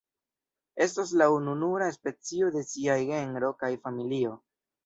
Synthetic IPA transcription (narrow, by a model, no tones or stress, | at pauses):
e̞stas̬laununuɾaespe̞t͡sio̞de̞siajɡe̞ŋɾo̞kajfamilio̞